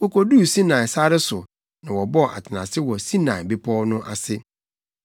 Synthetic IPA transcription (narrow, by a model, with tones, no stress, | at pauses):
wɔ˦kɔ˨du˦˨sĩ˦nã˨sa˦ɾɪ˦sʊ˨ | nã˨wɔ˨bɔ˦˨ʔa̰˨tʰɪ˨nã˨sɪ˦wɔ˨sĩ˦nã˨be˦pʰɔ˦nʊ̃˦ʔa˨sɪ˦